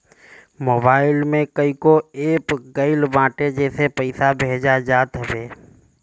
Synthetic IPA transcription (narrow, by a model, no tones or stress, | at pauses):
moːbaːɪlmẽkəikoeːpɡəɪlbãːʈed͡ʒɛːsepəɪsabʱeːd͡ʒad͡ʒaːt̪ɦəbeː